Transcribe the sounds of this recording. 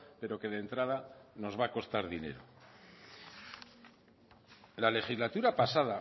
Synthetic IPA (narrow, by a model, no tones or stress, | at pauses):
pe̞ɾo̞ke̞ðe̞nt̪ɾaðano̞zβako̞st̪aɾðine̞̰ɾo | lale̞xizlat̪uɾapasaða